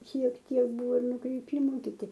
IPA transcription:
ʃʲiɛk ˈtʲiɛk ˈbuːʋoː nʊkrʲɪˈpʲiːmʊ kʲɪˈtʲɪ

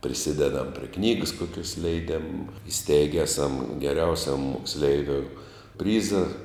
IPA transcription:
pʲrʲɪˈsʲɪdʲɛdɐm pʲrʲiɛ ˈknʲiːɡəs ˈkoːkʲoːs lʲɛɪˈdʲeːm ɪˈsʲtʲɛɪɡʲɛ ˈæːˌsɐm ɡʲɛˈrʲɛʊsʲɛm moːksʲˈlʲɛɪʋʲoːʊ ˈpʲrʲiːzɐ

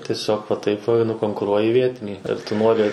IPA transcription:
tʲiɛˈsʲoːk ʋɐ ˈtɐɪp ʋɐ nʊkoːŋkʊˈruɔjɪ ˈʋʲiɛtʲɪnʲiː ɐr tʊ ˈnoːrʲɪ

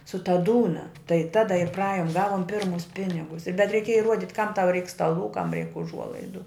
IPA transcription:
sʊ tɐ ˈduːnɐ tɐɪ ˈtɑːdɐ ɪr prɐˈɑːjʊm ˈɡɑːʋʊm ˈpʲɪrmʊs ˈpʲɪnʲɪɡʊs bʲɛt rʲɛɪˈkʲeːjɛ ɪˈruɔdʲɪt kɐm tɐʊ rʲɛɪk stɐˈlˠuː kɐm rʲɛɪk ʊˈʒuɔlˠɐɪdʊ

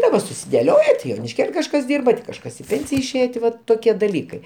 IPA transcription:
dɐˈbɐ sʊsʲɪdʲɛˈlʲoːjɛ tʲɪ joːnʲɪʃʲˈkʲeːlʲ kɐʃˈkɐs ˈdʲiːrbɐ tʲɪ kɐʃˈkɐs ɪ ˈpʲeːnʲsʲɪjɛ ɪʃʲˈeːjɛ tʲɪ ˈʋɐt toːˈkʲiɛ dɐˈlʲiːkɐɪ

